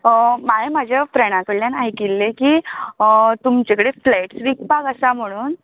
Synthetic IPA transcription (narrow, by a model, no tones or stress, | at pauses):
maemad͡ʑʱjapɾəɽ̃ãkəɽljanajkilːekiː | t̪umt͡ɕekəɽeflajʈsʋik̚paɡəsam̤əɽ̃uːn